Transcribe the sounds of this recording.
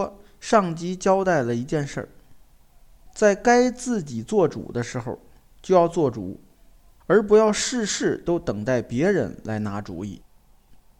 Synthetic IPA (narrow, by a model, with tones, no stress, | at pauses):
ʂɑ˥˩ŋt͡ɕi˥t͡ɕjɑ˥ʊt̪a˥˩ɪlə˩i˧˥t͡ɕjɛ˥˧nʂə̰˥˩ | t͡sa˥˩ɪka˥ɪt͡sɹ̩˥˩t͡ɕi˨˩t͡swɔ˥˩ʈ͡ʂṵ˨˩d̪ə˦ʂɻ̩˧˥xo̰˧ʊ | t͡ɕjo˥˧ʊjɑ˥˧ʊt͡swɔ˥˩ʈ͡ʂṵ˨˩˦ | ə˞˧˥p̬u˧˥jɑ˥˧ʊʂɻ̩˥˧ʂɻ̩˥˩t̪o˥ʊt̪ɤ˨˩ŋt̪a˥˩ɪpjɛ˧˥ɻə̰˧˥nla˧˥ɪna˧˥ʈ͡ʂṵ˧˥ḭ˥˩